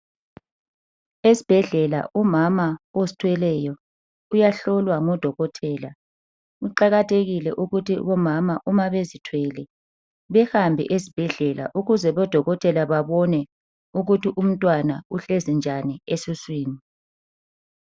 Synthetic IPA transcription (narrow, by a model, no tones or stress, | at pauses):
esi̥b̥ʱɛɮɛla̰ʔumamaosi̥tʰwɛlɛjɔ | ujaɬɔlwaŋɔd̥ʱɔɣɔtʰɛːla | uǃaɣatʰeɣilɛʔuɣutʰiβɔmamaʔumaβezitʰwɛlɛ | βɛhambʱɛ̰ʔezib̥ʱɛɮɛla̰ʔuɣuzɛβɔd̥ʱɔɣɔtʰʼɛlaβaβɔnɛ | uɣutiʔum̩tʼwanauɬezind͡ʒʱaniesiswiːni